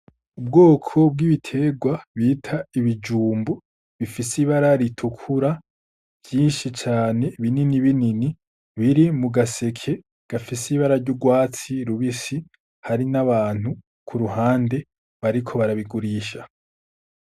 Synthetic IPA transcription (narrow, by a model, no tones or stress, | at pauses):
ubɡoːkʰo̞b̚ɡiβitʰe̞ɡwaβiːtʰaiβid͡ʒuːmbu | βifisiβaɾaɾitʰukʰuɾa | vjiːnʃit͡ʃaːne̞βininiβinini | βiɾimuɡase̞kʰe̞ | ɡ̥afisiβaɾaɾɟuɡwaːt͡siɾuβisi | haɾinaβaːn̥u | kʰuɾuɦaːnde̞ | βaɾikʰo̞βaɾaβiɡuɾiːʃa